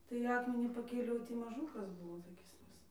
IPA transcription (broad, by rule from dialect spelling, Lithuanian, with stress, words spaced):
tɐɪ ˈɑːkmʲɛnʲiː pɐˈkʲeːlʲɛʊ ˈtʲiː mɐˈʒuːkɐs ˈbuːʋoː toːˈkʲɪs ˈʋʲɪs